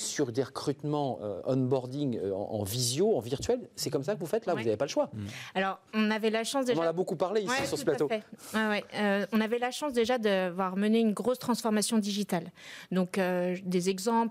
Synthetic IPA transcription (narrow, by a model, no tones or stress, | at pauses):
syʁd̪eʁəkχyt̪mɑ̃ø̰ɔnbɔʁd̪iŋøɑ̰̃ɑ̰̃vizjoɑ̃viʁt̪ɥɛlsɛkɔmsakəvufɛt̪lavuzavepaləʃwaalɔʁɔ̃navɛlaʃɑ̃sd̪eʒnɑ̃nabokupaʁleiwisyʁsəəplataoɛwɛwɛøɔ̃navɛlaʃɑ̃sd̪eʒad̪əvwaʁməneynɡʁost̪χɑ̃sfɔʁmasjɔ̃d̪iʒit̪ald̪ɔ̃kød̪ezɛɡzɑ̃p